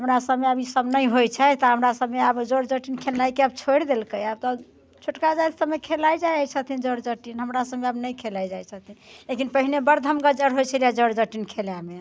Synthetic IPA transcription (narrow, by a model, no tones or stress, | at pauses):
ɦəmɾasəbmeəbʱisəbnəjɦojt͡ʃʰɛt̪ɔɦəmɾasəbmeəbd͡ʒəɾd͡ʒəʈinkʰelajkeabt͡ʃʰojɽd̪elkəjab̚t̪ɔ | t͡ʃʰoʈkad͡ʒaj̪səbmekʰelajd͡ʒajat͡ʃʰət̪ʰind͡ʒəɾd͡ʒəʈinɦəmɾasəbmeəbnəjkʰelajd͡ʒajt͡ʃʰət̪ʰilekinpəɦinebəɾd̪ʱəmɡəd͡ʒəɾɦojt͡ʃʰəlijad͡ʒəɾd͡ʒəʈinkʰeljame